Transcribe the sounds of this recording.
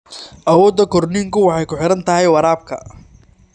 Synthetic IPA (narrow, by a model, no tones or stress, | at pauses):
ʔɐwɔːd̪ːɐkʰɔrniŋkʰʊwɑħɑjkʊħɪɾɐnt̪ʰɐɦɛjwɐɾaːb̚kʰɐ̰